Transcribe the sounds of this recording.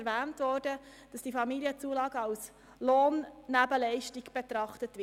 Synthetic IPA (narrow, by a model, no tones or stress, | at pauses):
ɾʋæːntʋɔːrdə | d̥ɑsd̥ifɑmiliət͡suəlɑːɡəɑls | loːnːæbəlɛɪʃtiɡb̥etɾɑχtətʋɪ